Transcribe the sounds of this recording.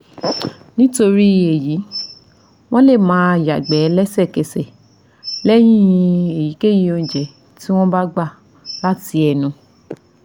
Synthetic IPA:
nĩ˦to˧ɾi˦e˨ji˨˦ | w̃ɔ̃˦le˦˨mãː˨˦a˨ja˨ɡ͡bɛ˨˦˧lɛ˦sɛ˦˨kɛ˨sɛ˨ | lɛ˦j̃ĩ˦ĩ˧e˨ji˨˦ke˦ji˦o˧˨d͡ʒɛ˨ | ti˦w̃ɔ̃˦ba˦ɡ͡ba˦˨ | la˦ti˧ɛ˧nũ˧

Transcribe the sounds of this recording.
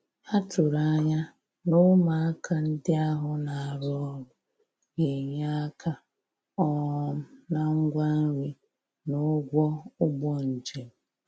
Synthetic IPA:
a˦tʊ˨ɾa˦ɲa˦ | nʊ˦ma˨a˦kʰa˨n̩˦dɪ˦a˦ɦʊ˨na˨a˨ɾɔ˦ɾʊ˨ | je˨ɲa˦a˦kʰa˦ | ɔ˦na˨ŋ̩˦ɡʷa˦ŋʷi˦ | nʊ˦ɡʷɔ˦ʊ˦ɡ͡bɔ˦n̩˨d͡ʒe˨m̩˨

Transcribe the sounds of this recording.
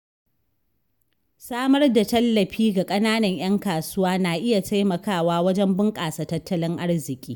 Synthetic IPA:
saː˦mɐ˦rda˨tɐ˦lːɐ˨ɸiː˦ɡa˨kʼɐ˦naː˦nɐ˨ɲj̰ɐ˦ŋkaː˨sʊ˦waː˦naː˨ʔɪ˦ja˨tʰa˦jmɐ˨kaː˦˨waː˦wɐ˦d͡ʒɛ˦mbɪ˦ŋkʼaː˨saː˨tɐ˦tːɐ˦lɪ˦ŋʔa˦rzɪ˨kʲʼiː˦

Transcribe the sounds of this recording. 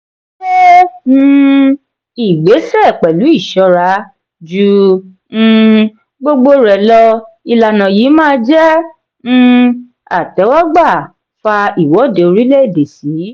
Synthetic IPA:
e˦˧ | i˨ɡ͡be˨˦sɛ˦˨k͡pɛ˨lu˨˦i˦˨ʃɔ˧ɾa˨˦ | d͡ʒũ˧˦˧ | ɡ͡bo˦˧ɡ͡bo˧ɾɛ˨lɔ˧ | i˧la˧nã˨jiː˨˦mãː˦d͡ʒɛ̃˦˧ | a̰˨tɛ˨˦wa˦ɡ͡ba˦˨ | fa˧i˨wɔ˨˦˨de˨o˧ɾi˦le˦e˦˨de˨si˨˦

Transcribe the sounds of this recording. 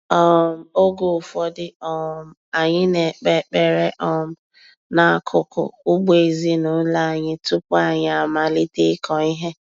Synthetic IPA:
ɔ˦m̩˨o˦ɡo˨fɔ˦dɪ˦ɔ˦m̩˦a˨ɲɪ˦ne˨k͡pe˦k͡pe˨ɾe˦ʔɔ˦m̩˦ | na˨a˦˨kʰʊ˦kʊ̰˨ʊ˦ɡ͡be˨zi˦nʊ˨˦la˦˨ɲɪ˦tu˦ka˦ɲɪ˦a˨ma˨li˦te˦kɔ˨i˦ɦe˦

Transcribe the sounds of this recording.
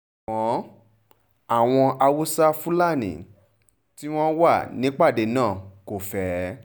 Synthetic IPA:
ɔ̃˨˦ | a˦˨w̃ɔ̃˧ʔa˧wu˦sa˦fu˦la˦˨nḭ̃˨ | ti˦w̃ɔ̃˦wa˦˨nĩ˨˦k͡pa˦˨de˨˦nãː˦˨ko˨fɛ˨˦

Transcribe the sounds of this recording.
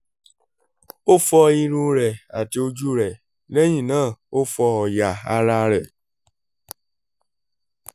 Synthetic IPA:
o˦fɔ˧i˧ɾũ˧˦ɾɛ˨a˨ti˧o˧d͡ʒu˦ɾɛ˨ | le˦j̃ĩ˦˨nãː˦˨o˦fɔ˧ɔ˨ja˨a˧ɾa˧ɾɛ˨

